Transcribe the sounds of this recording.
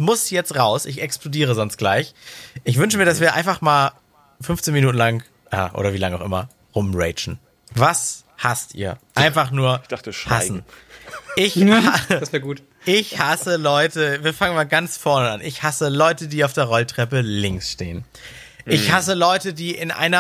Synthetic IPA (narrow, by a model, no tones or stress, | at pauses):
mʊsjɛt͡stʁaʊsɪçɛksplodiːʁ̞əzɔnst̚ɡ̥laɪçʔɪçv̥ʏnʃ̬əmiːɐɾasv̥iːɐʔaɪnfaχmaːl | fʏnft͡seːnminuːtn̩laŋ | a̰ːʔo̰ːɾɐviːlaŋaʊʔɪ̰mɐ | ʁʊmʁɛɪt͡ʃn̩ | vas | hastʔḭːɐʔaɪnfaχnuːɐçd̥aχtəʃhasn̩ | ʔɪçhasɛɐɡuːt | ʔɪçhasəlɔʏtəviːɐfaŋənmaːlɡant͡sfɔɐnəa̰nɪçhasəlɔʏtədiːaʊfd̥eːɐʁɔltʁ̥ɛpəlɪŋsʃteːən | ʔɪçhasəlɔʏtədiːʔɪnʔa̰ɪnɐ